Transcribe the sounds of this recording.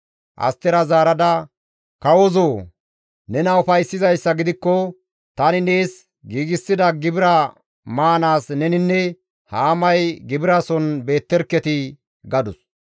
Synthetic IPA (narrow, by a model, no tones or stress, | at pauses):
ʔɐ̰st̪ːɛɾɐzaːɾɐd̪ɐ | kɐwɔzoː | nɛnɐʊfɐjsːɪzɐjsːɐɡɪd̪ɪkːɔ | t̪ɐnɪneːs | ɡiːɡɪsːɪd̪ɐɡɪbɪɾɐ | maːnaːsnɛnɪnːɛ | haːmɐjɡɪbɪɾɐsɔnbe̞ːt̪ːɛɾkːɛt̪ɪ | ɡɐd̪ʊs